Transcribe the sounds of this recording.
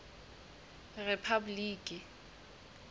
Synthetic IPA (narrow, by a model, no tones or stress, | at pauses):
rɛpʰabʊliːkʼɪ